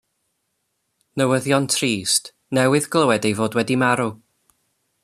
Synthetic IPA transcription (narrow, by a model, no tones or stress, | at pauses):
nəwəðjɔntʰriːst | nɛwɨðɡlˠəwɛdejvoːdwɛdimaɾu